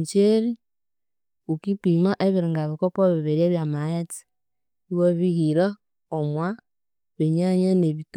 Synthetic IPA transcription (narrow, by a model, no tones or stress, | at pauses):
t͡ʃeɾi | ukipimaʔeβiɾiŋɡaβikɔpɔβiβeɾieβjamajeti̥ | iwoβihiɾa | omwa | βeɲaɲaneβit